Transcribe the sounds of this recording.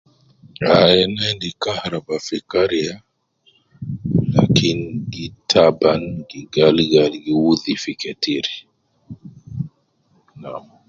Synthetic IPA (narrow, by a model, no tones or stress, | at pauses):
ajɛnɛndikahaɾabafikaɾia | la̰kʰinɡitʰabanɡiɡaliɡalɡiwuðifikɛtiɾi | na̰m